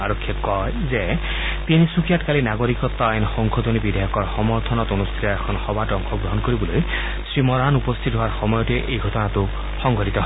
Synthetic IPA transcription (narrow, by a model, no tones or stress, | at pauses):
aɹɔkʰːɔkɔjzɛ | penisukijatkalinaɡoɹikɔt̪ːɔajnxɔŋkʰot̪onibid̪ʱajɔkɔɹxɔmɔɹt̪ʰɔnɔtonust̪ʰitɔɛkʰɔnxɔbʱatɔŋxʰɔɡɹɔɦɔnkoɹibɔloj | sɹimɔɹanupɔst̪ʰitɦowaɹxɔmɔjɔtɛʔejɡʱɔtɔnatʊ | xɔŋɡʱɔtit̪ɔɦɔ